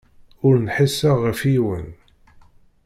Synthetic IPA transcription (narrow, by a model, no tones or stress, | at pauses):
ʊɾnħisːəʁəfiwə̰n